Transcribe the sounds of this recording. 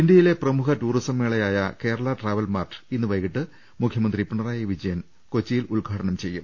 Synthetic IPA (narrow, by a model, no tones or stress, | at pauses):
ind̪jɐjile̞prɐmukɐʈuːɾisɐmʋeːɭɐjaːjɐke̞ːɾɐɭɐʈraːʋɐlmaːrtinːɨʋɐjkiʈːɨ | mukʰjɐmɐnd̪ripiɳɐraːjɐʋid͡ʑɐjɐn | ko̞t͡ɕːijiluɭɡʱaːʈɐɳɐmt͡ɕe̞jːum